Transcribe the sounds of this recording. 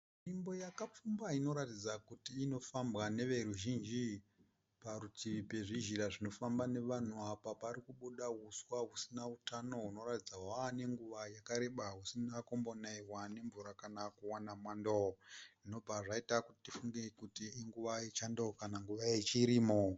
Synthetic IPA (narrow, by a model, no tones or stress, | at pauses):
mimbo̞jakap͡fumbaino̞ɾatid͡zakutiːno̞fambɣane̞ʋe̞ɾuʒind͡ʒi | paɾutiipe̞ʐiʒiɾaʐino̞fambane̞ʋan̤uapapaɾikuɓuɗaɦuswaɦusinautano̞ɦuno̞ratid͡zawane̞ŋɡuʋajakaɾe̞ɓaɦusinako̞mbo̞naiwane̞ɱvuɾakanakuwanamwandoino̞b͡vʱaʐaitakuti̥tifuŋɡekutiːŋɡuʋaet͡ʃandokanaŋɡuʋajet͡ʃiɾiːmo